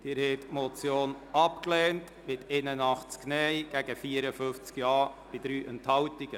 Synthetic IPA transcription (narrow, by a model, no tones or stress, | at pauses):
d̥ɪːɾhɛːtmot͡sjoːn | ɑpklɛːnt | mɪtʰenənɑχt͡sknɛjɡ̥æɡ̥əfiːəɾəfʏnft͡skjɑːb̥ɪd̪ɾyːʔɛnthɑwtiɡ̥ə